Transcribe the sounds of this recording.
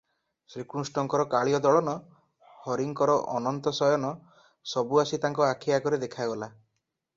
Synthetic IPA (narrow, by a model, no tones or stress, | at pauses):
sɾikɾusʈɔŋkɔɾɔkaɭijɔd̪ɔɭɔnɔ | hɔɾiŋkɔɾɔʔɔnɔnt̪ɔsɔjɔnɔ | sɔbuasit̪aŋkɔakʰiakɔɾed̪ekʰajɡɔla